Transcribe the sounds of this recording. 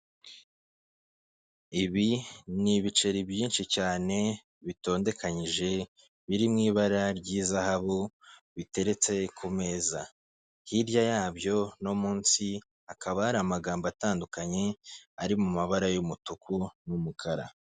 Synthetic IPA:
iβiniβit͡ʃe̞ɾibjiːnʃit͡ʃaːne̞ | βito̞ːnde̞kʰaɲiʒe̞ | βiɾimŋiːβaɾaɾɟiːzahaβoβite̞ɾe̞t͡se̞kʰume̞ːza̰ | hiɾjajaːbjo̞no̞muːnsi | akʰaβahaɾamaɡaːmbataːndukaɲe̞aɾimumaβaɾajumutukʰunumukʰaɾa̰

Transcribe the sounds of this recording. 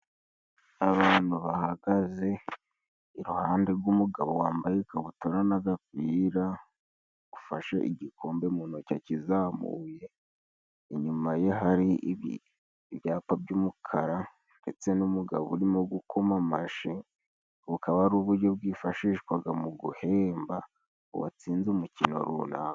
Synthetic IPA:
aβaːn̥huβahaɡaze̞ | iɾuhaːnde̞ɾɡumuɡaβowaːmbajekaβutoɾanaɡakiːɾa | ɡ̥ufaʃeʔiɟikʰo̞ːmbemuːnocacizamṵje̞ | iɲumajeɦaɾiβḭ | βjaːpabɟumukʰaɾa | nde̞t͡se̞numuɡa̰ββṵɾimo̞ɡukʰo̞mamaʃi | βukʰaβaɾuβuɾɟo̞bɡwiːfaʃiːʃkwaɡamuɡuhe̞ːmba̰ | wa̰t͡siːnzumucino̞̰ɾṵna̰

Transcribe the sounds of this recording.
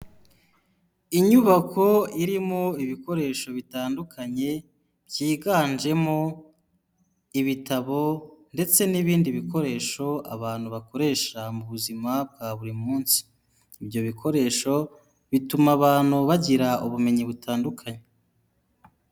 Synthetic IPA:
iɲuβako̞iɾimo̞iβiko̞ɾe̞ːʃo̞βitaːndukʰaɲe̞ | bjiːɡaːnd͡ʒe̞mo̞ | iβitaβo̞nde̞t͡se̞niβiːndiβiko̞ɾe̞ːʃo̞a̰βaːn̥huβako̞ɾe̞ːʃamuβuzimab̚ɡaβuɾimuːnsi̥ː | bɟo̞βikʰo̞ɾe̞ːʃo̞ | βitumaβaːn̥huβaɟiɾauβume̞ɲiβutʰaːndukʰaɲe

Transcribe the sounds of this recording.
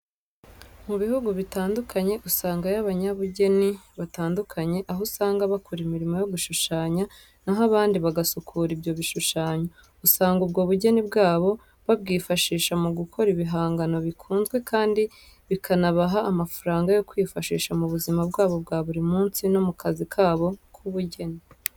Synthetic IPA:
muβihuɡuβitaːndukʰaɲe̞ʔusaːŋɡajaβaɲaβuɟe̞niβataːndukʰaɲe̞ʔaɦosaːŋɡaβakʰuɾimiɾimo̞jo̞ɡuʃuʃaːɲa | naɦaβaːndiβaɡasukʰuːɾibjo̞βiʃuʃaːɲa | usaːŋɡub̚ɡo̞ːβuɟe̞nibɡaːβo̞ | βab̚ɡiːfaʃiːʃamuɡukʰo̞ɾiβiɦaːŋɡano̞βikʰuːnzɡwe̞kʰaːndi | βikʰanaβaɦaːmafaɾaːŋɡajo̞kwifaʃḭːʃamuβuzimabɡaːβo̞bɡaːβuɾimuːnsino̞mukʰazikʰaːβo̞kʰuβuɟe̞ni

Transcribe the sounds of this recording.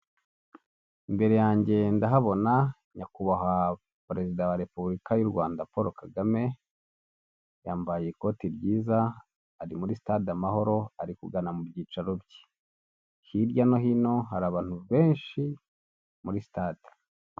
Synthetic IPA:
imbe̞ɾe̞jaːɲɟe̞ndaɦaβo̞na | ɲakuβaɦa | pɾe̞zidawaɾe̞puβuɾikajuɾɡwaːndapo̞ɾo̞kaɡame̞ | jaːmbajeko̞tiɾɟiːzaː | ɾimuɾisi̥taːdamaɦo̞ɾo̞aɾikuɡanamubɟiːt͡ʃaɾobji̥ | hiɾɟano̞ɦino̞ɦaɾaβaːn̥uβe̞ːnʃi | muɾisi̥taːde̥

